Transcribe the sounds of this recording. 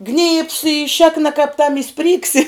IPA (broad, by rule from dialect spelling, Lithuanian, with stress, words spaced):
ɡnʲiːps ɪ ˈʃʲeːknɐ kɐp tɐm ɪ ˈsʲpʲrʲiːksʲɪ